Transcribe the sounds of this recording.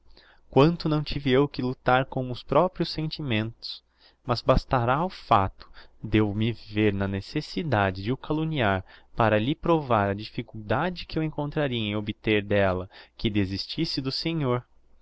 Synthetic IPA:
kwɐ̃nt̪ʊnɐ̃w̃t͡ʃivɪewkɪlut̪aɾkõmʊʊspɾɔpɾiʊsːẽnt͡ʃimẽnt̪ʊ̥s | mɐzbast̪aɾaʊfat̪ʊ̥d̪ewmɪveɾnɐnesesid̪ad͡ʒɪd͡ʒɪʊkaluniaɾpaɾɐlɪpɾovaɾɐd͡ʒifikuwd̪ad͡ʒɪkɪewẽŋkõnt̪ɾaɾiɐẽobɪt̪eɾd̪ɛlɐkɪd̪ezist͡ʃisɪd̪ʊseɲoɾ

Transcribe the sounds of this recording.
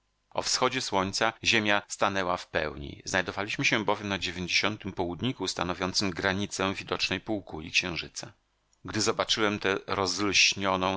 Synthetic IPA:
ɔ̰fsxɔd͡ʑɛswɔɲt̪saʑemʲjast̪anɛwafpɛ̰wɲḭznajd̪ɔvalʲiɕmɘɕɛbɔvjɛmnad͡ʑevʲjeɲd͡ʑeɕɔnt̪ɘmpɔwud̪ɲikust̪anɔvʲjɔnt̪sɘmɡɾaɲit̪sɛ̃vʲid̪ɔt͡ʂnɛjpuwkulʲḭkɕɛ̃w̃ʐɘt̪sa | ɡd̪ɘzɔbat͡ʂɘwɛmt̪ɛɾɔzlɕɲɔnɔ̃

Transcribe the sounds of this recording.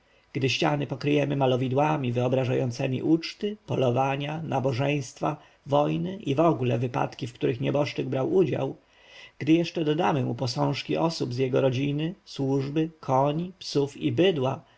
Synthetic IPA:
ɡ̥d̪ɘɕt͡ɕanɘpɔkɾɘjɛmɘmalɔvʲid̪wamʲivɘɔbɾaʐajɔ̰nt̪sɛmʲḭʔut͡ʂt̪ɘpɔlɔvaɲanabɔʐɛj̃st̪fa | vɔjnɘʔivɔɡulɛvɘpa̰t̪kʲifkt̪uɾɘxɲɛbɔʂt͡ʂɘɡbɾawud͡ʑa̰w | ɡ̥d̪ɘjɛʂt͡ʂɛd̪ɔd̪amɘmupɔsɔ̃w̃ʂkʲiʔɔsubzʲjɛɡɔɾɔd͡ʑinɘswuʐbɘkʰɔɲipsufibɘd̪wa

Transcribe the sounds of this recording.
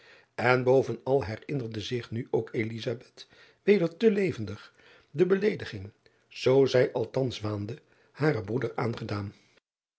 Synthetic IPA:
ɛnbowvənɑlˠɦɛrɪnəɹdəzɪχnyʔowkelizabɛt | ʋejdəɹtəlejvəndəχ | dəbəlejdəχɪŋ | z̥owzɛjʔɑlˠtɑnsʋaːndə | haːɾəbrudəɹaːnχədaːn

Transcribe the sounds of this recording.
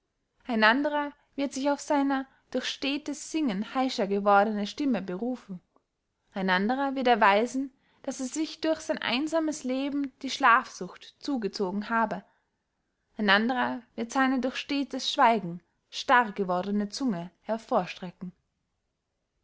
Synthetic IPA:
ʔaɪnʔandəʁɐ | v̥ɪɐtz̥ɪçaʊfz̥aɪnɐ | d̥ʊɐçʃteːtəsz̥ɪŋənhaɪʃɐɡəvɔɐdənəʃtɪməbəʁuːfŋ̩ | ʔaɪnandəʁɐvɪɐtɐvaɪzn̩ | d̥aseːɐzɪçd̥ʊɐçz̥aɪnʔa̰ɪnzaːməsleːbm̩d̥iːʃlaːfz̥ʊxtt͡suːɡət͡soːɡŋ̩haːbə | ʔaɪnandəʁɐv̥ɪɐtz̥aɪnədʊɐçʃteːtəsʃv̥aɪɡŋ̩ | ʃtaʁɡəvɔɐdənət͡sʊŋəhɛɐfoːɐʃtʁ̥ɛkŋ̩

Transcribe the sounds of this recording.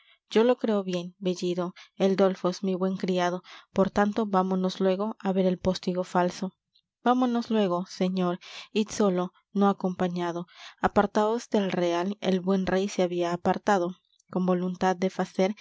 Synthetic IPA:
d͡ʒo̞lo̞kɾe̞oβje̞nbe̞ʝiðo̞eld̪o̞lfosmiβwe̞ŋkɾiað̞o̞po̞ɾt̪ant̪o̞bamono̞slwe̞ɣo̞ʔaβe̞ɾelpo̞st̪iɣo̞falso̞ | b̥amono̞slwe̞ɣ̞o̞se̞ɲo̞ɾit̪so̞lo̞ | noako̞mpaɲað̞o̞apaɾt̪aðozd̪e̞lre̞alḛlbwe̞nrʔejseaβiaːpaɾt̪að̞o̞ | ko̞mbo̞lunt̪aðd̪efase̞ɾ

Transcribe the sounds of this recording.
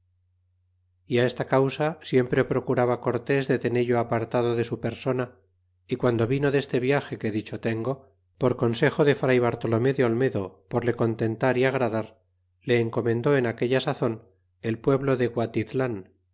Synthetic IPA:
iae̞st̪akawsasje̞mpɾepɾo̞kuɾaβako̞ɾt̪e̞zðe̞t̪e̞neʎoapaɾt̪að̞o̞ðe̞supe̞ɾso̞na | ikwand̪o̞βino̞ðe̞st̪eβjaxe̞ke̞ðit͡ʃo̞t̪e̞ŋɡo̞ | po̞ɾko̞nse̞xo̞ðe̞fɾajβaɾt̪o̞lo̞me̞ðeo̞lme̞ðo̞po̞ɾle̞ko̞nt̪e̞nt̪aɾiaɣ̞ɾaðaɾ | le̞ːŋko̞mẽ̞nd̪o̞e̞nake̞ʎasaθo̞n | e̞lpwe̞βlo̞ðeɣwat̪it̪lan

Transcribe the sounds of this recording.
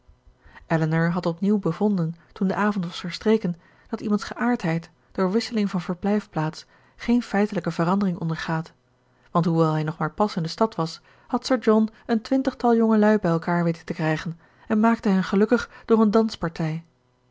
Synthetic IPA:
ʔɛlənəɹɦɑtɔpniwbəvɔndəntundəʔaːvɔntʋɑsfəɹstrejkən | d̥ɑtimɑntsχəʔaːɹtɦɛjt | d̥ʊːɹʋɪsəlɪŋvɑnvəɹblɛjfplaːts | χejnfɛjtələkəvəʁɑndəʁɪŋɔ̰ndəɹχaːt | ʋɑntɦuʋɛlˠɦɛjnɔχmaːɹpɑsɪndəstɑtʋɑs | hɑtsəɹd͡ʒɔnəntʋɪntəχtɑlˠjɔŋəlœɥbɛjɛlˠkaːɹʋejtətəkrɛjχən | ɛnmaːk̚təɦɛnχəlɵkəχd̥ʊːʁəndɑnspɑɹtʰɛj

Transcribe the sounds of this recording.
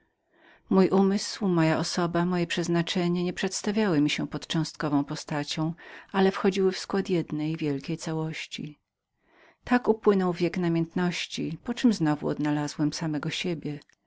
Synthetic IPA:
mujʔumɘswmɔjaʔɔsɔbamɔjɛpʂɛznat͡ʂɛɲɛɲɛpʂɛt̪st̪avʲjawɪmʲiɕɛpɔt̪t͡ʂɔ̃w̃st̪̚kɔvɔ̃w̃pɔst̪at͡ɕɔ̃w̃ʔalɛfxɔd͡ʑiwɘfskwat̪jɛd̪nɛjvʲjɛlkʲejt̪sawɔɕt͡ɕḭ | t̪akupwɘnɔwvʲjɛknamʲjɛnt̪nɔɕt͡ɕipɔt͡ʂɘmznɔvṵɔ̰d̪nalazwɛmsamɛɡɔɕebʲjɛ

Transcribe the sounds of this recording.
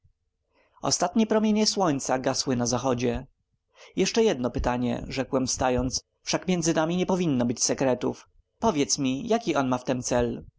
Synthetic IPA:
ɔ̰st̪at̪ɲɛpɾɔmʲjeɲɛswɔɲt̪saɡaswɘnazaxɔd͡ʑɛ | jɛʂt͡ʂɛjɛd̪nɔpɘt̪aɲɛ̰ʐɛkwɛmst̪ajɔnt̪s | fʂakmʲjɛnd̪zɘnamʲiɲɛpɔvʲinːɔbɘt͡ɕsɛkɾɛt̪ṵf | pɔvʲjɛt̪smʲijakʲiʔɔnmaft̪ɛmt̪sɛl

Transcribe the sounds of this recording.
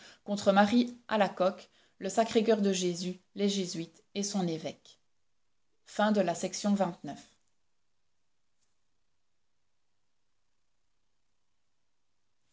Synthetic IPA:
kɔ̃t̪χəmaʁia̰lakɔk | ləsakχekœʁd̪əʒezy | leʒezɥit̪ | esɔ̃nevɛk | fɛ̃d̪əlasɛksjɔ̃vɛ̃t̪nœf

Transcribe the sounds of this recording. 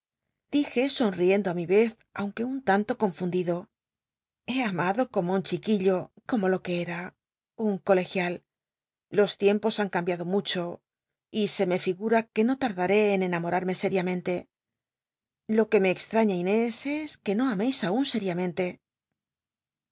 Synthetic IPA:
d̪̥ixe̞so̞nrie̞nd̪oamiβe̞θ | a̰wŋke̞unt̪ant̪o̞ko̞ɱfund̪iðo̞ | e̞amaðo̞ko̞mount͡ʃikiʎo̞ko̞mo̞lo̞ke̞eɾa | uŋko̞le̞xjalː | o̞st̪je̞mpo̞saŋkambjaðo̞mut͡ʃo̞ | ise̞me̞fiɣuɾake̞no̞t̪aɾðaɾe̞ːne̞namo̞ɾaɾme̞se̞ɾjamẽ̞nt̪e̞ | lo̞ke̞me̞ːkst̪ɾaɲaine̞se̞ske̞no̞amejsaunse̞ɾjamẽnt̪e̞

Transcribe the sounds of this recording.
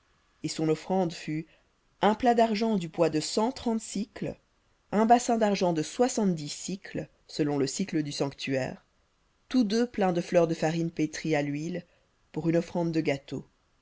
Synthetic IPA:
esɔ̃nɔfχɑ̃d̪fy | ɛ̃plad̪aʁʒɑ̃d̪ybwad̪əsɑ̃t̪χɑ̃t̪sikl | ɛ̃basɛ̃d̪aʁʒɑ̃d̪əswasɑ̃t̪̚d̪isikl | səlɔ̃ləsikləd̪ysɑ̃kt̪yɛ̰ːʁ | t̪ud̪øplɛ̃d̪əflœʁd̪əfaʁinpet̪χialɥil | puʁynɔfχɑ̃d̪ːəɡat̪o̰

